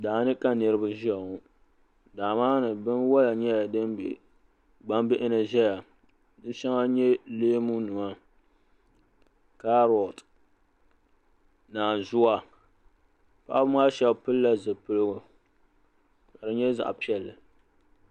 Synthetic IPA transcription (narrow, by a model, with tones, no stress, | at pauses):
daː˨˦nɨ˦ka˦nɨ˨ɾɨ˦ba˦ʒɛ˨ŋʊ˨ | daː˨maː˦nɨ˨bɨ˦nwɔ˦la˨ɲɛ˦˨dɨ˦n | ɡ͡ba˦mbɪ˦ʔɪ˦na˨ʒɛ˦ja˨ | dɨ˦ʃɛ˦ŋa˦ɲɛ˦leː˦mu˦nɨ˨ma˦ | ka˦ɾɔ˨t | naː˨zʊ˦wa˦ | pa̰˦ʔa˦bɨ˦maː˦ʃɛ˨bpɨ˦lːa˦zɨ˨pɨ˦lɨ˦ɡʊ˨ | ka˨dɨ˦ɲɛ˦za̰˨ʔpi˦ɛ˨lːɨ˨